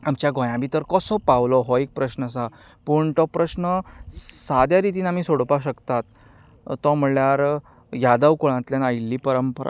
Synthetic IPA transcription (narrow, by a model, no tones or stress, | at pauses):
amt͡ɕjaɡõjãbit̪əɾkəsɔpawlɔɦɔek̚pɾəɕnəsapuɳt̪ɔpɾəɕnəsad̪jaɾit̪̬iːnam̤iːsoɽpaɕəkt̪at̪t̪ːɔm̤ɭjaɾjad̪əwkoɭ̃ãt̪ljanajlːiːpəɾəmpəɾa̰